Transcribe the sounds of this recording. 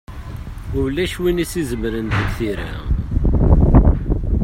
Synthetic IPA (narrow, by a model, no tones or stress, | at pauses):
ʊwlːæʃwinisizəmɾənt̪əɡθiɾæ̰